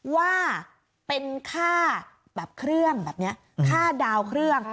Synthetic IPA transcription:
waː˥˩ | pe˧nkʰaː˥˩ | bɛː˨˩p̚kʰɾɯ˥˩əŋbɛː˨˩p̚ni˦˥ɐ | kʰaː˥˩daː˧wkʰɾɯ˥˩əŋ

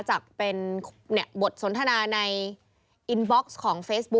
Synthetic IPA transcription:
t͡ɕaː˨˩k̚pe˧nʰni˦˧˩bo˨˩t̪̚so˩˦nt̪ʰa˧naː˧na˧j | ʔi˧nbɔ˦˥k̚skʰɔː˩˦ŋfeː˦˥s̚bu˦˥

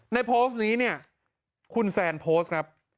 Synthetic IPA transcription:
na˧jpʰoː˦˥sniː˦˥ni˥˩ɐ | kʰu˧nsɛː˧˩npʰoː˦˥s̚kʰɾa˦˥p̚

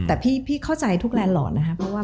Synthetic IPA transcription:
t̪ɛː˨˩pʰiː˥˩pʰiː˥kʰa˥˩wt͡ɕa˧jt̪ʰu˦˥k̚lɛː˧nlɔ̰ː˨˩na˦˥kʰa˦˥pʰɾɔ˦˥waː˥˩

